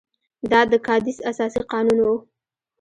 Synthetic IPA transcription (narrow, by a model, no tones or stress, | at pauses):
d̪ɑd̪əkɑd̪isasɑsiqɑnunwu